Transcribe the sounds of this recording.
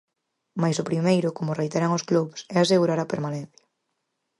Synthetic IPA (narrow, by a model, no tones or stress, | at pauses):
majsʊpɾimejɾʊkomʊrejt̪eɾaŋʊskluβsɛaseɣuɾaɾapeɾmanẽn̟θjḁ